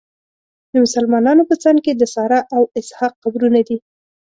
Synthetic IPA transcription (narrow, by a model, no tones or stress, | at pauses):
d̪əmʊsalmɑnɑnopət͡sɑŋɡ̚ked̪əsɑɾaʔawɪshɑqːabɾunad̪i